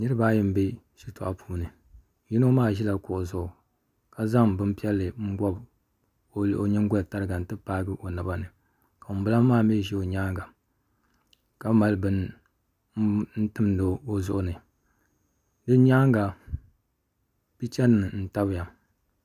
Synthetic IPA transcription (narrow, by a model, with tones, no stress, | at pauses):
nɨ˦ɾɨ˦baː˦jɪ˦m˦be˦ | ʃi˦to˨ʔa˨pʰuː˦nɨ˨˦ | ji˦no˦maː˦˨ʒi˦la˨kʊ˨ʔʊ˨zʊ˨ʔʊ˨ | ka˨za˦ŋbɨ˦m˦pi˦ɛ˦lːɨ˨ŋ̩˦ɡɔ˦b | o˨lʔo˨ɲɛ˦ŋ˦ɡʊ˦˨ta˦ɾɨ˦ɡa˨n̩˦tɨ˦paː˦ɡɨ˦ʔo˨na˨ba˨nɨ˨ | ka˨m˨bɨ˦la˦maː˦˨mi˦˨ʒɛ˦o˨ɲaː˦ŋɡa˨ | ka˨˦ma˨lɨ˦bɨ˦n˦ | n̩˦tɨ˦mdo˨o˦zʊ˦ʔʊ˨nɨ˨ | dɨ˦ɲaː˦ŋɡa˨ | bi˦t͡ʃɛ˦n˨ɨ˨n̩˦ta˦bja˨